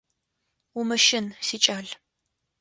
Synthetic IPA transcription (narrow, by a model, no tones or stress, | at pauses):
ʊmɨʃɪnsiːt͡ʃʼaːɮ